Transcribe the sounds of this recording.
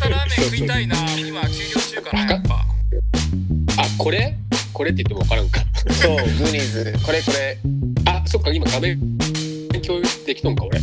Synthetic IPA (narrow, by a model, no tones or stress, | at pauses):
ooinaimakʲokʲot͡ɕː | aka | ako̞ɾe̞ko̞ɾe̞t̪ːei̟t̪ːemo̞a̰kaɾãŋkasoːɡɯɾʲizɨko̞ɾeko̞ɾe̞aso̞kːaimaɡamẽ | ŋkʲo̞ːd̪ekʲi̥t̪õŋkaoɾe